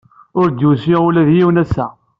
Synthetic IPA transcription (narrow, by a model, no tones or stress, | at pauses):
ʊɾd̪jusiʁulæðjiwnæsːæ